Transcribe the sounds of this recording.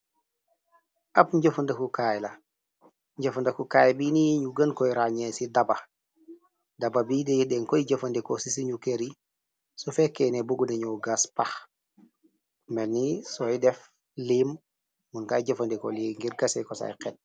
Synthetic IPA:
apɲɟəfundɐkukajlɐ | ɲɟɐfundɐkukajbiniɲuɡənkɔjɾaɲesidaba | dababidɛdɛŋkojiɟɐfɐndɛkosisiɲukeɾi | sofekenebuɡuneɲuɡaspax | mɛlnisɔidɛf | lim | munkaːjɟɐfɐndiko̰liŋɡiɾɡɐsɛkɔsa̰jqɛt̚

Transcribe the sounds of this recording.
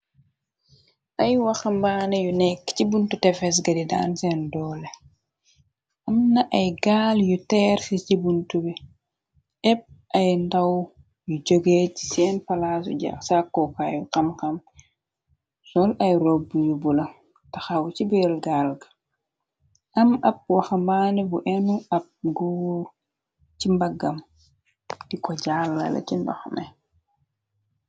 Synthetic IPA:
ʔɐjwɐxɐmbaːnɐjunɛkːcibuntutɛfɛs̬ɡɐdida̰nsɛndɔːlɛ | ʔɐmnɐʔɐjɡaːljutɛːrsicibuntubi | ʔɛp̚ʔɐjndɐw | jud͡ʒoɡecsɛːnpɐlaːs̬ṵɟa̰ksakːɔkajuqɐmkɐm | sɔlʔajɾɔbujubulɐ | taxawut͡ʃibilɡalɡḁ | ʔɐmɐp̚waxambaːnɛbuʔɛnuɐp̚ɡɔːɾ | cimbaɡːam | dikɔɟaːlːɐ̰lɐ̰cindɔ̰xmɛ

